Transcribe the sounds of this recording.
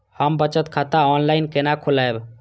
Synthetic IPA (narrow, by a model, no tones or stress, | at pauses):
həmbət͡ʃət̪kʰat̪aɔnlajnkenakʰolaeb